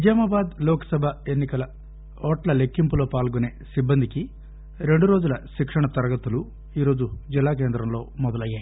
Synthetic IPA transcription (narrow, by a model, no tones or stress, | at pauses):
ʋid͡ʒaːmaːbaːd̪lɔːkɐ̥sɐbʱɐe̞nːikɐlɐ | ɔːʈlɐle̞kːimpulo̞ːpaːlɡuneːsibːɐnd̪iki | ɾe̞ɳɖuɾo̞ːd͡ʒulɐʃikʂɐɳɐt̪ɐɾɐɡɐt̪ulu | iːɾo̞ːd͡ʒud͡ʒilːaːk̬eːnd̪ɾɐmlo̞ːmɔd̪ɐlɐjːaːj